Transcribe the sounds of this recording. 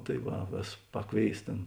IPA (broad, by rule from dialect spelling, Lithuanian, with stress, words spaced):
tɐɪ ˈʋɐ ˈʋʲeːs ˈpɑːˌkʋʲeːɪs ˈtʲeːn